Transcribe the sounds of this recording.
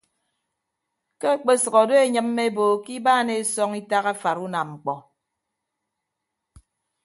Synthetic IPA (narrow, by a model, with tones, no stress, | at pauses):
ke˦k͡pe˦sɔ˨ɣɔ˨do˦e˨ɲɨ˦mːe˦bo˨ki˦baː˦˨ne˨sɔ˦ŋi˦ta˦ɣa˦fa˨ɾu˦na˨mŋ͡m̩˨k͡pɔ˨